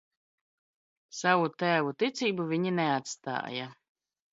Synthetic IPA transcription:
savut̪æːvut̪it̪siːbuvʲiɲinɛat̪st̪a̰ːja

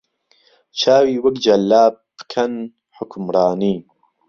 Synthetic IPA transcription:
t͡ʃʰaːwiːwɐkd͡ʒɐlːaːb̥̚ːɨ̥kʰɐn | ħʊkʰmɾɑːniː

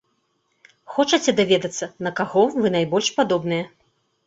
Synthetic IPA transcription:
xɔt͡ʂɐt͡sʲɛd̪avʲɛd̪ɐt̪sːɐnɐkaɣɔvɨnajbɔlʲʂpad̪ɔbnɨjɛ

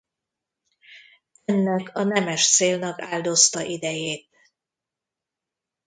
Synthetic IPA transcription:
ɛnːɛkʰɒnɛmɛʃt̪seːlnɒka̰ːld̪o̞st̪ɒʔid̪ɛjeːt̪̚

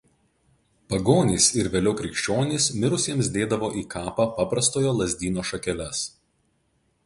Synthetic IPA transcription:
pɐɡoːnʲiːsɪɾʋʲeːlʲɛʊkɾʲɪkʃʲt͡ʃʲoːnʲɪːˑsmʲɪɾʊsʲiɛmsd̪ʲeːd̪ɐʋoːʔiːkʰɑːpɑpɑːpɾɐst̪oːjoːlˠɐzʲd̪ʲiːnoːʃɐkʲɛlʲɛs

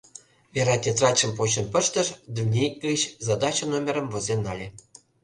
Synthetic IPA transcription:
βʲeɾɑt̪ʲet̪rɑt͡ɕə̆mpot͡ɕə̆npə̆ʃt̪ə̆ʃd̪unʲekɡət͡ɕzɑd̪ɑt͡ɕə̆nomʲeɾə̆mvozenːɑlʲe

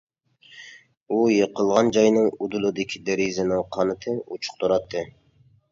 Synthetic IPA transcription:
ujəqəlˠʁɑnd͡ʒɑjnɨŋud̪ulˠɨd̪ɪkʲʰid̪eɾizɪnɪŋqʰɑnɨt̪ʰɨut͡ʃʰʊ̥q̚t̪ʰuɾɑt̪ʰːɨ

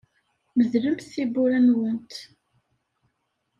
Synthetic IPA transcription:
məðɾəmθθibʊɾænwənt̪

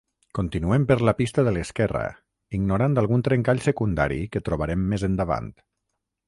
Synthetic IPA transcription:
kont̪inuempəɾləpist̪əðələskɛrə̰ | iɡnuɾand̪alˠɣunt̪ɾeŋkaʎsəkund̪a̰ɾḭkət̪ɾoβaɾemːezənd̪əβa̰nt̪

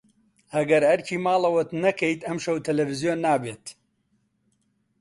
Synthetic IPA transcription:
ɐɡɐɾhɐɾcʰiːmaːlɐwɐt̪nɐkʰɐjt̪ɐmʃɐwt̪ʰɐlɐvizijoːnːaːbeːt̪

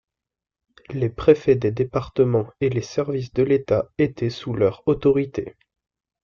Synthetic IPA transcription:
lepχefɛd̪ed̪epaʁt̪əmɑ̃elesɛʁvis̬d̪əlet̪aet̪ʰɛsulœʁot̪ɔʁit̪e

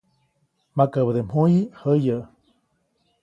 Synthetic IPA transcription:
makəβəd̪emhujihəjəʔ

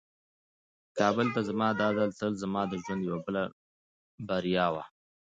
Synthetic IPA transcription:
kɑbəlt̪azamɑd̪ɑd̪alt̪əlzamɑd̪əʒwand̪jawabəla | baɾijɑwa̰

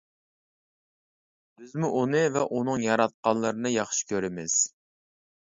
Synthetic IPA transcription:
d̪̥yzmɪʔunɨvɛʔunɨŋjɑɾɑt̪̚qɑnlˠɨɾɨnɨjɑχʃɪ̥kʲʰøɾɪmɪz̥

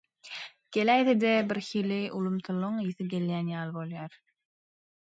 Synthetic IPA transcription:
ɡ̥elæjθed̪ebiɾxiliʔulˠumt̪ulˠuŋjiθɯɡʲe̞ljæːnjɑːlˠbo̞lˠjɑɾ

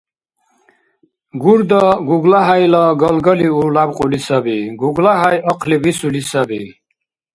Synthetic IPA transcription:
ɡuɾd̪əɡuɡlaɦajləɡɔlɡəliulabqʼulisəbiɡuɡlaɦajɔqʰlibisulisəbḭ

